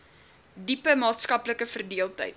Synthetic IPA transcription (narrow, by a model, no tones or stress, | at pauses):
dipəmɑːtskɐpləkəfərdiəlˠtə̰jt